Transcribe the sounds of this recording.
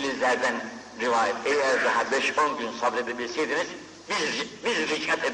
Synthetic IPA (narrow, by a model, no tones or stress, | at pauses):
lʲizlʲæɾd̪æn | ɾivaːjɛt̪ʰejæɾd̪aɦabɛʃonɟynsabled̪ebilʲsejd̪iniz̥ | bizbizt̪icmɛt̪ʰed̪